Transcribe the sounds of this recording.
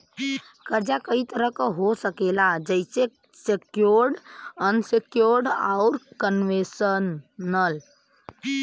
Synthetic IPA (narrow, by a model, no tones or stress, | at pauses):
kəɾd͡ʒakəit̪əɾəɦkɦosəkelad͡ʒəɪse | sekjoɾɖənsekjoɾɖa̰ʊɾkənʋesənːəl